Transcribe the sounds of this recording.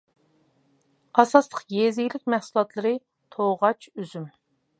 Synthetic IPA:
ɑsɑslˠəqjezɪɡʲlɪk̚ʲmɛhsulˠɑt̪lˠɨɾɨ | t̪ʰoʁɑt͡ʃøzym

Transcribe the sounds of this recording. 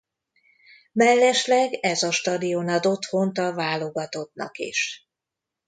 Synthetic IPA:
mɛlːɛʃlɛɡɛzɒʃt̪ɒd̪ijo̞nɒd̪o̞t̪ho̞nt̪ɒvaːlo̞ɡɒt̪o̞t̪nɒ̰kḭʃ

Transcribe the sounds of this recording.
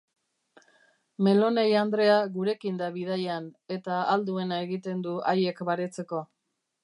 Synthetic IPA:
me̞lo̞ne̞jand̪ɾe̞aɣuɾe̞kind̪aβið̞ajane̞t̪aːld̪ue̞nae̞ɣit̪e̞nd̪uaje̞kbaɾe̞t͡se̞ko̞

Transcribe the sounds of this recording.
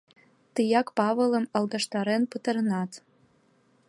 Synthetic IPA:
t̪ɨjɑkpɑβələ̆mɑlˠɡ̪ɑʃt̪ɑɾenpət̪ə̆ɾənɑt̪

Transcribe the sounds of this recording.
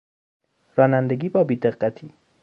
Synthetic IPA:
ɾɒːnænd̪eɡʲiːbɒːbiːd̪eɢːæt̪ʰiː

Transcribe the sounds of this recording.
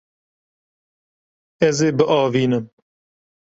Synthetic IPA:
ɛzeːbɨʔɑːviːnɨm

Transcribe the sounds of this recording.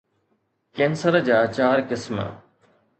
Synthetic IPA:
kɛ̃ːnsəɾd͡ʑaːt͡ɕaːɾkɪsmə̰

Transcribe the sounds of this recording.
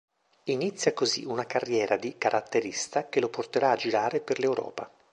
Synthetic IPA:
init̪sːjakozḭunakarːjɛːɾad̪ikaɾʔat̪ːeɾist̪akeloport̪eɾaːd͡ʒiɾaːɾeperlewɾɔ̰ːpa̰

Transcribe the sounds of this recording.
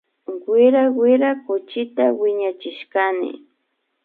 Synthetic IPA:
wɪɾawɪɾakʊt͡ʃɪt̪awɪɲat͡ʃɪʃkanɪ̰

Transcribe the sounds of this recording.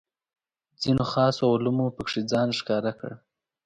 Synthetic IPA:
d͡zinoxɑsoawʊlumopəkʂid͡zɑnʂkɑɾakə̰ɽ

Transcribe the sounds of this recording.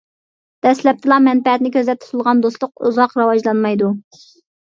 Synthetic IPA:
d̪̥ɛslɛp̚t̪ʰɨlˠɑmɛnpɛɛt̪nɪkʲøzɛp̚t̪ʰu̥t̪ʰulˠʁɑnd̪oslˠʊqṵzɑqɾɑwɑd͡ʒlˠɑnmɑjd̪u

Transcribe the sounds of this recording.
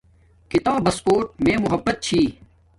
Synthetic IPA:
kɪt̪aːbʱɐspoːʈ̚mẽːmʊɦəbːət̪̚t͡ɕʰiː

